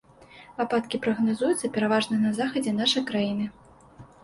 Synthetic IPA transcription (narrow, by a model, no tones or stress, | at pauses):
papat̪kʲipɾɐɣnazujut̪sːɐpʲɛɾavaʐnɐnɐzaxɐd͡zʲɛnaʂɐjkɾajinɨ